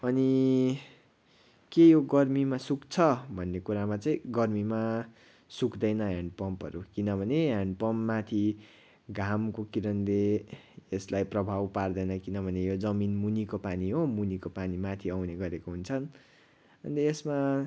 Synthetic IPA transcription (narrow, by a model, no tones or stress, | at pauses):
ʌni | kejoɡʌrmimasukt͡sʰʌbʱʌnːekuɾamat͡sʌĩɡʌrmima | sukd̪ʌjnʌɦãɳɖpʌmpʌ̰ɾukinʌbʱʌneɦãɳɖpʌmpːat̪ʰi | ɡʱamkokiɾʌnd̪eeslajprʌbʱawpard̪ʌjnʌkinʌbʱʌnejod͡zʌminmunikopaniɦomunikopanimat̪ʰiʌwneɡʌɾekoɦunt͡sʰʌn | ʌniesma